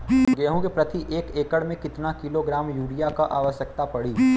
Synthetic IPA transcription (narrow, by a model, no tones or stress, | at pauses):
ɡeːɦũɡepɾɐt̪iʔeːkeːkəɽmẽkɪt̪nakɪloɡɾaːmjuːɽijakaʔaːʋəʃjək̚t̪apɐɽiː